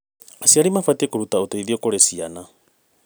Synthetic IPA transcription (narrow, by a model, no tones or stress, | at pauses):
asiaɾimafatekoɾutaotoiðiokoɾesiana